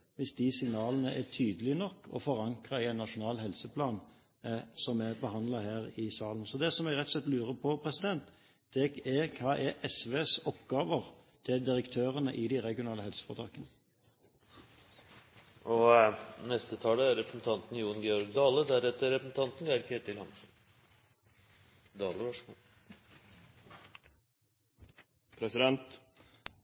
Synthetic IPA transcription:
ʋɪsd̪ɪsɪŋnɑːlənəʔɛt̪ʰyːd̪əlɪnɔkːɔ̰fɔʁɑŋkʁɑɪɛɪnːɑʂʊnɑːlɦɛlsəpʰlɑːn | sɔmɛbəhɑnd̪lɑhæːʁɪsɑːlən̩sɔd̪ɛsɔmɛɡʁɛt̪ːsɛt̪lʉːɾəpʰɔpʰʁɛsɪd̪ɛnt̪ | d̪̥ɛɛkʰɑːʔɛʔɛsʋeːsɔpɡɑːʋəʁ | t̪ʰɪld̪ɪɾəkt̪ʰøːʁənəʔɪd̪ɪʁɛɡɪʊnɑːləhɛlsə̥fɔʁt̪ʰɑ̰ːkənə | ʔɔnɛst̪ət̪ʰɑːləæɾɛpɾsn̩t̪ʰɑnt̪n̩juːnɡɛɔɾɡd̪ɑːləd̪æɾɛt̪ːəɾɛpɾəsn̩t̪ʰɑnt̪n̩ɡæəɾket̪ɪlhɑnsn̩ | d̪ɑːləʋæʂmuːl | pʰɾɛsɪd̪ɛnt̪

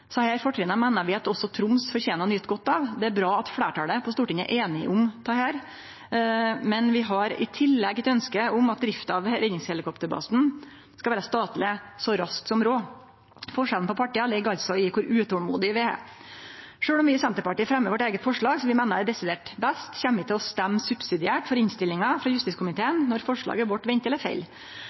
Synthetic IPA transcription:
sɔhæːɾfɔʈʰɾɛːnəmæɪnəɾʋɪɑt̪ɔsːɔt̪ʰɾʊmsfɔɾçeːnəɳʏt̪ːɡɔt̪ːɑʋd̪ɛæɾbɾɑːɑt̪fɽeːʈɑːləpʰɔst̪uːʈɪŋæ̰ʔeːnɪʔʊmt̪ʰɑhæːɾ | mɛnʋɪɦɑɾɪ̰t̪ʰɪlːɛɡːɛt̪œnskəʊmɑt̪̚d̪ɾɪft̪ɑʋɾɛnɪŋshɛlɪkʰɔpt̪əɾbɑ̰sn̩ | skɑlʋæːɾəst̪ɑːt̪lɪsɔɾɑsk̪sɔmɾoː | fɔʂɛlnpɔpʰɑʈːiːɑlɛɡːɑlt̪sɔɪkʰʊɾʉːt̪ʰuːlmṵːd̪ɪʋɪæ̰ | ʂøːɽɔmʋɪsɛnt̪əɾpɑʈiːəfɾɛmːəʋɔʈeːɡət̪fɔʂɭɑːɡsɔʋɪmænəd̪ɛsɪd̪eːʈbæst̪çɛmːɪt̪ʰɪlɔst̪æmːsʉbsɪd̪ɪæːʈfɔɾɪnst̪ɪlːɪŋɑfɾɑjʉst̪ɪskʊmɪt̪ʰeːənnːɔɾfɔʂɭɑ̰ːɡəʋɔʈːʋɛɲt̪ɛləɾfḛɪl

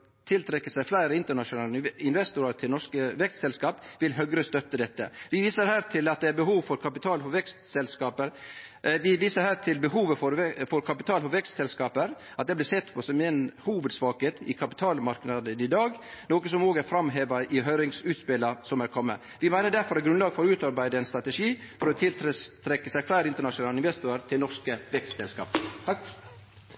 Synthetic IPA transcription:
t̪ʰɪlt̪ʰɾɛkːəsæɪflæɪɾəɪnt̪əɳɑʂʊnɑːləɪnʋɛst̪ʊɾɑt̪ʰɪlnɔɾʂkəʋɛkst̪sɛlskɑːpʋɪlɦœɡɾəst̪œt̪ːəd̪ɛt̪ːə̰ʋɪʋiːsəɾhæːɾt̪ʰɪlɑt̪̚d̪ɛæɾbəɦuːʋfɔɾkʰɑpɪt̪ʰɑːlhɔʋɛkst̪sɛlskɑːpəɾʋɪʋiːsəɾhæːɾt̪ʰɪlbəɦuːʋəfɔɾfɔɾkʰɑpɪt̪ʰɑːlhɔʋɛkst̪sɛlskɑːpəɾ | ɑt̪̚d̪ɛblɪsɛt̪ːpʰɔsɔmɛnhuːʋəd̪sʋɑːkət̪ʰɪ̰kʰɑpɪ̥t̪ʰɑːlmɑɾknɑd̪ənɪd̪ɑːɡnoːkəsɔmoːɡəæɾfɾɑmɦeːʋɑʔɪɦœɾɪŋsʉːt̪spɪlɑsɔmæːɾkʰɔmːə | ʋɪmæɪnəɖ̪æɾfɔɾɑt̪ɡɾʉnlɑːɡfɔɾʉːt̪ɑɾbæɪd̪əɛnst̪ɾɑt̪əʂiːfɔɾɔt̪ʰɪlt̪ɾt̪ʰɾɛkːəsæɪflæɪɾɪnt̪əɳɑʂʊnɑːlɪnʋɛst̪uːəɾt̪ʰɪlnɔɾʂkəʋɛkst̪sɛlskɑ̰ːp

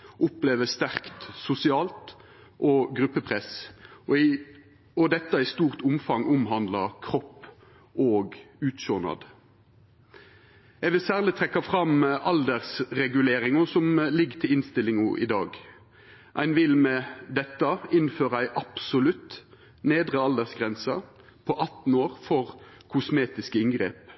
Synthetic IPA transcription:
ʔʊpleːʋəst̪æʁkt̪sʊsɪɑːlt̪ | ʔoːɡʁʉpːəpʰʁɛs | ɔd̪ɛt̪ːɑɪst̪uːʁt̪ʊmfɑŋʔʊmɦɑnd̪lɑkʰʁɔpː | ʔoːɡʉːt̪ʃoːnɑ̰d̪ | jɛʋɪlsæːʁlɪt̪ʰʁɛkːɑfʁɑmʔɑld̪əʁsʁɛɡʉleːɾɪŋɔsɔmlɪɡt̪ʰɪlɪnst̪ɪlːɪŋʊʔɪ̰d̪ɑːɡ | ʔæɪnʋɪlmɛd̪ɛt̪ːɑɪnføːʁɑæɪʔɑpsʊlʉt̪ | neːd̪ʁəɑld̪əʁsɡʁɛnsɑ | pʰɔʔɑt̪n̩oːʁfɔʁ | kʰʊsmeːt̪ɪskəɪŋɡʁḛːp

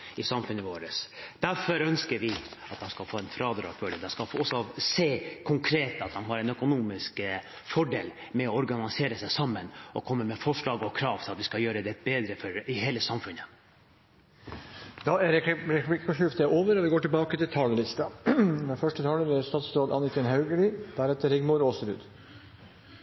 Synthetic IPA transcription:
ɪsɑmfʉnːəʋoːɾəsd̪̥æɾfɔɾœnskəɾʋɪɑt̪d̪ɛnskɑlfoːɛnfɾɑːd̪ɾɑ̰ːkʋœɖ̪əd̪ɛskɑfɔsːɔseːkʰʊŋkʰɾeːt̪ɑt̪̚d̪ɑnɦɑɾɛnœkʊnuːmɪsk | fɔɖeːl | mɛɔɔɾɡɑnɪseːɾəsæɪsɑmːənʔɔkʰɔmːəmɛfɔʂɭɑːɡɔkʰɾɑːʋt̪ʰɪlɑt̪ʋɪskɑljøːɾəd̪ɛbeːd̪ɾəfɔɾɪheːləsɑmfʉnə | d̪ɑɛɾɾɛɪkɔʃʉft̪ɛʔoːʋəɾɔʋɪɡoːʈɪlbɑːkət̪ʰɪlt̪ʰɑːləlɪst̪ɑmɛnfœʂʈət̪ʰɑːləɾæst̪ɑːt̪sɾoːd̪ɑ̰nɪkənɦɑʉɡəɭɪd̪̥æɾɛt̪ːəɾɪɡmʊɾoːsɾʉ̰ːd̪

